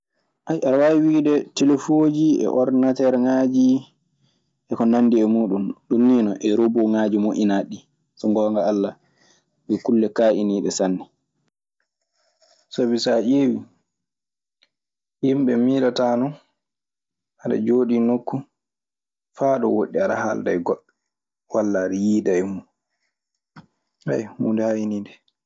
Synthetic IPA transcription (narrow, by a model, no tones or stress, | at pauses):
ʔajaɾwaiwiːdɛtelefod͡ʒiɛ̰ʔɔɾnatɛɾŋaːd͡ʒi | ʔɛkɔnanːdiɛmuːɗumɗunːinɔʔɛɾoboŋaːd͡ʒimoʔinaɗi | sɔŋɡɔːŋɡaːlːa | ɓɛkulːɛkaʔiniːɗɛsanːɛ | sabisaʔewi | ʔimɓɛmiːɾatanɔ | aɗa̰d͡ʒoːɗinokːu | faːɗɔ̰woɗːiaɗa̰ha̰ldajɡɔ | walːaɾijidajmu | ha̰jmundɛhainiːdɛ